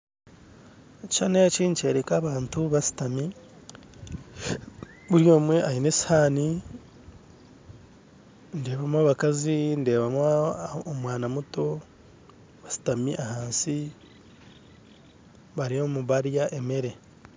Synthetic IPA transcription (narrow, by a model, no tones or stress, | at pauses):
t͡ʃanet͡ʃiːɲt͡ʃe̞ːɾekaβaːntuβasi̥tami | βuɾjo̞ːmwe̞ʔajineshaːni | nde̞ːβamwaːβakazinde̞ːβamaomwaːnamuto̞ | βasi̥tamiʔahaːnsi | βaɾijomuβaɾjaʔe̞me̞ɾe̞